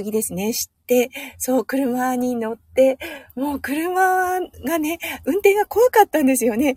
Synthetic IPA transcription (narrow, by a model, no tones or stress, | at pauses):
ɨɡʲid̪e̞sɨne̞ɕi̥t̪ːe̞so̞ːkɯ̟ɾɯ̟maɲ̟ino̞t̪ːe̞mo̞ːkɯ̟ɾɯ̟maɡane̞ɯ̟̃nt̪ẽ̞ŋɡako̞βakat̪ːãnd̪e̞sɨjo̞ne̞